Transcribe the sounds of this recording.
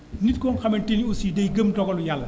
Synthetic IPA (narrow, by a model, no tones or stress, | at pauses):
nit̚kɔnxɐmɐntiniusidɐjɡəmdɔɡɐlujalːɐ